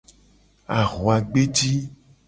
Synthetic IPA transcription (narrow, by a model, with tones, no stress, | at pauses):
a˨ɣo˨a˨ɡ͡be˦d͡ʒi˦